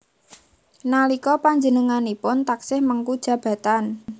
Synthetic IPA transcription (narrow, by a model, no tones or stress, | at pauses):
nalikɔpaɲd͡ʒənəŋanipʊnt̪aksɪhmaŋkud̥ʒ̥ä̤b̥ä̤t̪an